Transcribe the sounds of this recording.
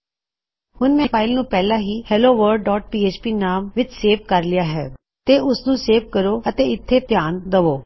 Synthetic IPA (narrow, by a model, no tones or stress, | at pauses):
hʊnmɛ̃ːpʰaːɪlnũːpɛːlãːɦiːhɛloːʋəɾɖːɔːʈ̚piːeːt͡ʃpiːnaːmʋɪt͡ʃseːʋkəɾlɪjaːɦɛ̰ː | t̪eːʔʊsnũːseːʋkəɾoːət̪eːɪt̪ʰːeːpjaːnd̪əʋoː